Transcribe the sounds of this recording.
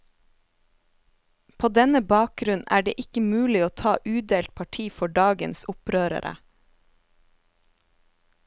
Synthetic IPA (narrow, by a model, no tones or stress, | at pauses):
pʰoːd̪ɛnəbɑːk̚ɡɾʉnn̩ʔæːɖḛːʔɪkəmʉːlɪoːt̪ʰɑːʔʉːd̪eːlt̪̚pʰɑʈʰiːfɔɖɑːɡənsʊpɾøːɾə̰ɾʔə̰